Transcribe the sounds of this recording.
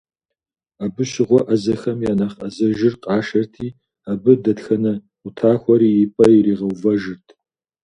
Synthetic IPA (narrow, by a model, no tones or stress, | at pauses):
abɨɕɪʁʷɔʔɐzɐxɐmjaːnaχɐ̰zɐʒɪrqʼɑːʃɐrtʰiː | aːbɨdɐtxɐnɐ | ʊtʰaːxʷɔɾiːjɪpʼɐiɾiːʁɐwvɐʒɨrtʰ